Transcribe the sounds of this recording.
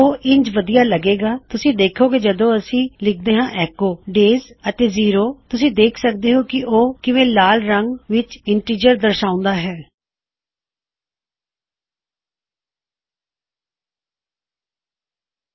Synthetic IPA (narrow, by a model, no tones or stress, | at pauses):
oːʔɪɲd͡ʒʋəd̪ijaːləɡeːɡaːt̪ʊsĩːd̪eːkʰoːked͡ʒəd̪õːəsĩːlɪk̚d̪eːɦãːʔɛːkoːɖeːzət̪eːziːɾoːt̪ʊsĩːd̪eːkʰsək̚d̪eːɦoːkɪʔoːkɪʋẽːlaːlɾəŋɡʋɪt͡ʃɪɳʈiːd͡ʒəɾd̪əɾʃaːʊ̃nd̪aːɦɛː